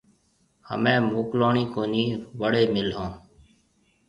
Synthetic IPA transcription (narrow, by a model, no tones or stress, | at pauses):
hə̰mẽːmuːkloːɳiːkoːniːʋəɽeːmɪlɦõː